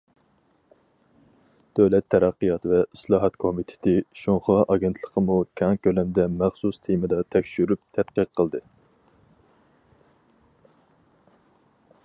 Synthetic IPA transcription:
d̪̥øwlɛt̪ʰːɛɾæqːijɑt̪vɛislˠɑːɦɑt̪kʰomit̪ʰɪ̥t̪ʰɪʃoŋχɑʔɑɡʲent̪ʰlˠəqʰəmukʲʰɑŋkʲølɛmd̪ɛmæχsust̪ʰimɨd̪ɑt̪ʰɛkʲʃyɾyp̚t̪ʰɛt̪qəqʰːəlˠd̪ɨ

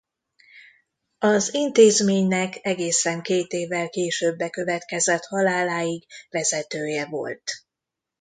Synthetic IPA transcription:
ɒzint̪eːzmeːɲnɛkɛɡeːsɛŋkeːt̪eːvːɛlkeːʃøːbːɛkø̞vɛt̪kɛzɛt̪hɒlaːlaːjiɡvɛzɛt̪øːjɛvo̞̰lt̪

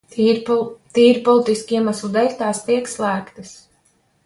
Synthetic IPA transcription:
t̪iːɾpɔlˠit̪iskiɛmaslˠud̪ɛɾʲt̪aːst̪iɛkslˠæːkt̪ɨs

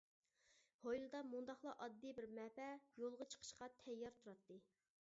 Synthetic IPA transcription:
hojlˠɨd̪ɑmund̪ɑχlˠɑʔɑd̪ːibɪɾmɛpɛjolˠʁɑt͡ʃʰə̥qʰə̥ʃqɑt̪ʰɛjːɑɾt̪ʰuɾɑt̪ːɨ

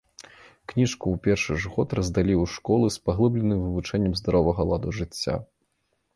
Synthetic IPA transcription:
knʲiʂkuwpʲɛrʂɨʐɣɔt̪rɐzd̪alʲiwʂkɔlˠɨspaɣlˠɨblʲɛnɨmvɨvut͡ʂɛnʲːɐmzd̪aɾɔvɐɣɐlˠad̪uʐɨt͡sʲːa̰

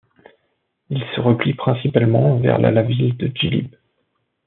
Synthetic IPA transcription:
ilsəʁəplipχɛ̃sipalmɑ̃vɛ̰ʁlʔa̰lavild̪əd͡ʒilḭb

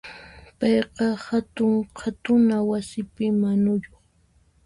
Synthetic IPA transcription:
pɑjqɑhat̪ʊŋkʰat̪ʊnawasɪpɪmanʊjoχ

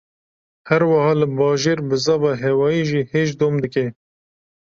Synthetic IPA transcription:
hæɾwɑhɑːlɨbɑːʒeːɾbɨzɑbɑːɦeːwɑːjiːʒiːheːʒd̪oːmd̪ɨke

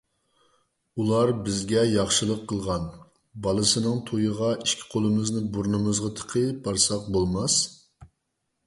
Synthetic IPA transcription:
ulˠɑɾbɪzɡʲɛjɑχʃɨlˠəqʰːəlˠʁɑn | bɑlˠɨsɨnɨŋt̪ʰojəʁɑʔiʃkʲʰi̥qʰolˠɨmɨznɪbuɾnɨmɨzʁɑt̪ʰə̥qʰəbɑɾsɑq̚bolˠmɑs

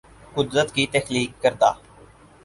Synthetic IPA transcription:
kʊd̪ɾət̪kiːt̪ɛkliːkːəɾd̪a̰ː

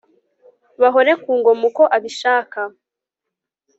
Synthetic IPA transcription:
βaɦo̞ɾe̞kuːŋɡo̞muko̞ʔaβiʃaːka

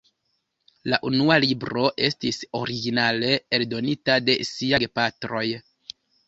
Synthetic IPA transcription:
laʔunualibɾo̞ʔe̞stiso̞ɾiɡinale̞eldo̞nitade̞siaɡepatɾo̞j

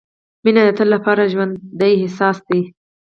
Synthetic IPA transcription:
minad̪ət̪əlːapɑɾaʒwand̪ːajɦɪsɑsd̪i

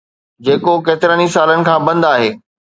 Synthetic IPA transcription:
d͡ʑeːkokeːt̪ɪɾəːnisaːlənɪ̆kʰãːbɐ̃nd̪aːɦeː

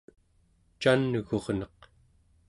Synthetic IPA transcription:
t͡ʃanːəɣo̞ʁnʌq

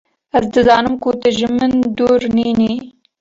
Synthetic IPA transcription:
azd̪ɨzɑːnəmkuːt̪aʒɪmənd̪uːɾnini

